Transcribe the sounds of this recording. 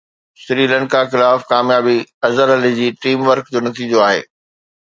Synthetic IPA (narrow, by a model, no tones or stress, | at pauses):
sɾiːlə̃ɳkaxɪlaːfkaːmjaːbiɐzəɾɐlid͡ʑiːʈiːmʋəɾkd͡ʑoːnɐt̪iːd͡ʑoaːɦḛː